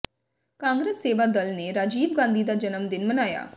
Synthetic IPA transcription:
kãːŋɡɾesːeːʋaːd̪ɐlneɾaːd͡ʒiːbɡãːnd̪id̪aːd͡ʒɐnəmd̪ɪnmɐnaːja̰ː

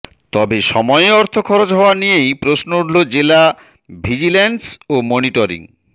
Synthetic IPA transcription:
t̪ɔbeʃɔmɔeɔɾt̪ʰokʰɔɾod͡ʑɦɔoanijejpɾosnouɖlod͡ʑela | bʱid͡ʑilensomoniʈoɾḭŋ

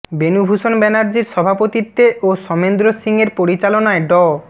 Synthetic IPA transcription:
benubʱuʃonbɛnaɾd͡ʑiɾʃɔbʱapot̪it̪ːeʔoʃɔmend̪ɾosiŋeɾpoɾit͡ɕalonaeɖɔ

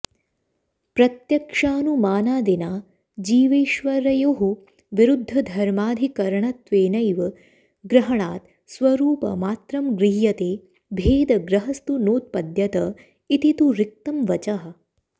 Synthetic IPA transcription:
pɾɐt̪jɐkʂaːnumaːnaːd̪inaː | d͡ʒiːʋeːʃʋɐɾɐjoɦu | ʋiɾud̪ʱːɐd̪ʱɐɾmaːd̪ʱikɐɾɐɳɐt̪ʋeːnɐjʋɐ | ɡɾɐɦɐɳaːt̪ | sʋɐɾuːpɐ̰maːt̪ɾɐmɡɾiɦjɐt̪eː | bʱeːd̪ɐɡɾɐɦɐst̪unoːt̪̚pɐd̪jɐt̪ɐ | it̪it̪uɾik̚t̪ɐmʋɐt͡ʃɐɦɐ̆

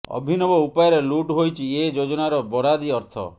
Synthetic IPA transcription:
ɔ̰bʱinɔbɔupajɔɾeluʈɦojt͡ʃʰied͡ʒod͡ʒɔnaɾɔbɔɾad̪iɔɾt̪ʰɔ̰

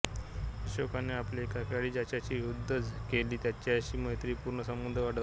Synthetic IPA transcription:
əɕokaneaplekakaɽiːd͡ʑat͡ɕat͡ɕiːud̪ʱːəd͡zkeliːt̪jat͡ɕaɕiːməɦet̪ɾiːpuɾɳəsəmund̪ʱəʋaɽə

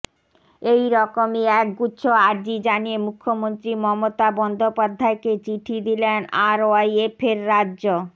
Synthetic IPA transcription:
ejɾɔkomiɛk̚ɡutːɕʰoaɾd͡ʑid͡ʑaniemukʰːomont̪ɾimɔmot̪abɔnd̪ʱopad̪ʱːaeket͡ɕiʈʰid̪ilenaɾoajepʰeɾːadːʑo

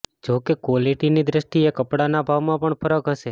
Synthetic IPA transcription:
d͡ʒokekoliʈinid̪ɾəʃʈiekəpɽanabʱaʋmãpəɳfʰəɾəkɦəʃe

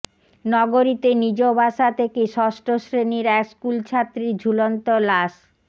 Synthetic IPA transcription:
nɔɡoɾit̪enid͡ʑobʱaʃat̪ʰekeʃɔsʈoʃɾeniɾɛkskult͡ɕʰat̪ːɾid͡ʑʱulont̪olaʃ

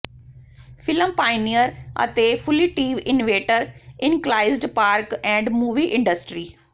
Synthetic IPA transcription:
fʰɪləmpaːɪnijəɾə̰t̪eːfʰʊliːʈiːʋɪnoʋeːʈəɾɪnklaːɪzɖpaːɾkɛ̃ːɳɖmuːʋiːʔɪ̃ɳɖəsʈɾiː

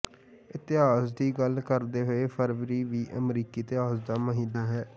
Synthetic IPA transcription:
ɪt̪ɪɦaːsd̪iːɡəlkəɾd̪eːɦoeːpʰəɾʋɾiːʋiːʔəmɾiːkiːt̪ɪɦaːsd̪aːməɦiːnaːɦɛː

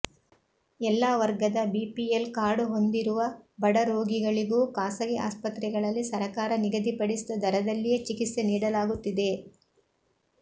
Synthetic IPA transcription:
ɛlːaːʋɐɾɡɐd̪ɐbiːpielkaːɽuɦo̞nd̪iɾuʋɐbɐɽɐɾo̞ːɡiɡɐɭiɡuːkaːsɐɡia̰ːspɐt̪ɾɛɡɐɭɐlːisɐɾɐkaːɾɐniɡɐd̪ipɐɽisid̪ɐd̪ʱɐɾɐd̪ɐlːijet͡ʃikit̪se̞niːɽɐlaːɡut̪ːid̪e̞

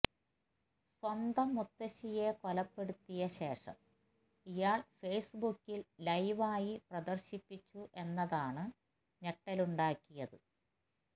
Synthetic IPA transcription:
swɐnd̪ɐmːut̪ːɐɕije̞ko̞lɐpːe̞ɽut̪ːijɐɕe̞ːʂɐ̰m | ijaːɭfe̞ːsbukːillɐjʋaːjiprɐd̪ɐrɕipːit͡ɕːuʔe̞nːɐðaːɳɨ | ɲeʈːɐluɳɖaːkːijɐðɨ

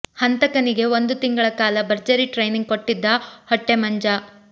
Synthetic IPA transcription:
hɐnt̪ɐkɐniɡe̞o̞nd̪ut̪iŋɡɐɭɐkaːlɐbɐɾd͡ʒɐɾiʈɾejniŋɡ̚ko̞ʈːid̪ːɐhoʈːemɐɲd͡ʒɐ

